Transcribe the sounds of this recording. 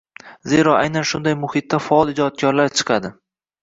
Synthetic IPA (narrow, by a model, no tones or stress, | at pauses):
ze̞ɾɒʔajnanʃʊnd̪ajmʊhɪt̪ːafɒɒlˠɪd͡ʒɒt̪̚kʲɒɾlaɾt͡ʃʰɨ̥qʰɑd̪ɪ